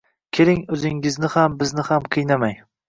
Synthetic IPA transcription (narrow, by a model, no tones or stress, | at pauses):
kʲʰelɪŋɵzɪŋɪznɪhambɪznɪhamqʰɨjnamaj